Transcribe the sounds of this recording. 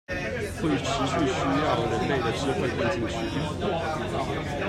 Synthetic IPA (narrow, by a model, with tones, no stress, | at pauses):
xwe˥˩ɪʈ͡ʂʰɻ̩˧˥ɕy˥˩ɕy˥jɑ˥˩ʊɻə˧˥nle˥˩ɪd̪ə˩ʈ͡ʂɻ̩˥fwe˥˧ɪpi˥˧nt͡ɕi˥˧ŋɕy˥li˥˩˥